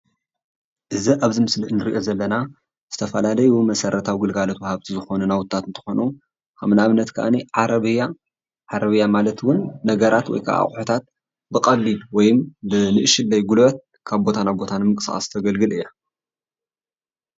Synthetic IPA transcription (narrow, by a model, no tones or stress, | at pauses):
ʔɨziʔaβzɨmɨsliʔɨnɨɾiʔo̞zɐlːɐna | z̥ɨt̪ʰɐfɐlalɐjumɐsɐɾɐt̪ʰawiɡɨlɡalot̪wɐhaβt̪ʰizɨxo̞nunawʊt̪ʰːat̪ɨnt̪ʰɨ̥xo̞nu | ʔamnaaβɨnːɐt̪kʰɐʔa̰niʕaɾɐβɨja | ʕaɾɐβɨjːamalɐt̪wʊnːɐɡɐɾat̪wɔ̰jkʰa̰ʔa̰χʼħot̪ʰat̪̚ | bɨkʼɐβːibwɔjɪmbɨnɨʔɨʃɪlːɐjɡulɐt̪̚ | kʰaβbo̞t̪ʰanabo̞t̪ʰanmɨŋkʼɨsʔa̰st̪ʰɐɡɐlɡɨlɨjːa